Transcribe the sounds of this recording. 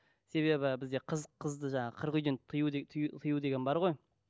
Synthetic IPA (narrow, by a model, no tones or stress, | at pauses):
se̞βe̞bɪbɪzd̪e̞qʰəzqʰəzd̪əʒɑɴɑqʰəɾqʏjd̪ent̪ʰɨjut̪ʰut̪ʰɨjud̪e̞ɡʲe̞nbɑɾʁo̞j